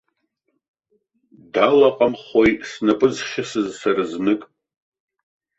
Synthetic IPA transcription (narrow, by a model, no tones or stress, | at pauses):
dalaqʼamχojsnapʼɨzχʲɪsɨzsaraznɨkʼ